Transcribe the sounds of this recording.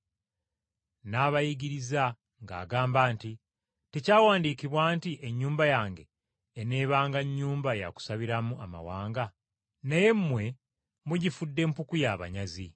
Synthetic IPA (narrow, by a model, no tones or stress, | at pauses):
naːβajiɟiɾiza | ŋɡa̰ːɡaːmbaːnti | te̞caːwaːndiːkiβwaːntiʔe̞ɲːuːmbajaːŋɡe̞̰ | eneːβaːŋɡaɲːuːmbaja̰ku̥saβiɾamuama̰waːŋɡa | neje̞mːwe̞ | muɟifudːe̞mpukujaβa̰ɲazi